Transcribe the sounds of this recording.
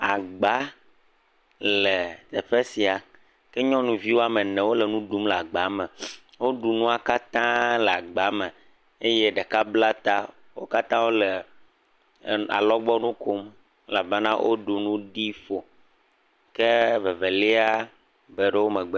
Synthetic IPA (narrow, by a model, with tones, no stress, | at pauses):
a˨ɡ͡ba˦ | le˨t̪ɛ˨ɸe˦si˨a˨ | kɛ˦ɲɔ̃˦nũ˨vi˦wo˦a˦mɛ˨nɛ̃˨wo˦lɛ˨nũ˦ɖu˦mla˨ɡ͡ba˨˦mɛ˨ | wo˦ɖu˨nũ˦a˨ka˦t̪ã˦lɛ˨a˨ɡ͡ba˨˦mɛ̃˨ | e˦je˦ɖe˨ka˦bla˦t̪a˦ | wo˦ka˦t̪ã˦wo˦le˨ | a̰˨lɔ˦ɡ͡bɔ˦nũ˦ko˦m | e˦la˨be˦nã˦wʔo̰˦ɖu˨nũ˦ɖi˦fo˨ | ke˦ve˨ve˨le˦a˦ | be˨ɖe˦wo˦mɛ̃˨ɡ͡be˦